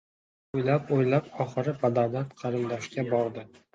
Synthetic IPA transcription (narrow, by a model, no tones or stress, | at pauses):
ojlapojlapɒχɨɾɪpʰad̪ad̪at̪qʰɑɾɨmd̪ɒʃkʲabɒɾd̪ɪ